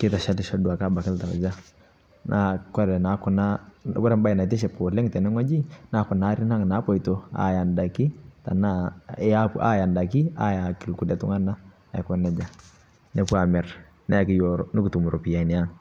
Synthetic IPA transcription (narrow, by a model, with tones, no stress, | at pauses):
kɪ˦ta˨ʃa˦tɪ˦ʃa˦du˨a˨ka˦ba˨kɪ˦lta̰˨d͡ʒa˦ | nʔa˨˦kɔ˦ɾɛ˨na˨˦kʊ˨na˦kɔ˦ɾɛ˦mba˦˨na˨tɛ˦ʃɛ˨p̚ko˨le˦ŋtɛ˨nɛ˦ŋɔ˦d͡ʒi˦na˦kɔ˨na˦ɾi˦na˦ŋ˨na˨˦pɔ˦i˨to˨a̰˨ja˨nda˨ki˦ta̰˨na˦a˦pʔa̰˦ja˨nda˨ki˦a̰˦ja˨ki˨lku˨lɛ˨tu˦ŋa˦na˦ | a˨kɔ˦nɛ˨d͡ʒa˨ | nɛ˦pu˦a˨mɛ˨ɾ | na˦a˨kɪ˦jɔ˨ɾɔ˨nɪ˦ku˨tu˨mu˨ɾo˨pi˨ja˨i˨nɛ˨a˦ŋ